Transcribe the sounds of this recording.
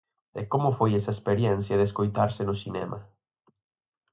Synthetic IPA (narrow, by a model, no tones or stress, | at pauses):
ḛkomʊfojɛsɐespeɾjɛn̟θjɐðeskojt̪aɾsɪnʊsinɛ̰ma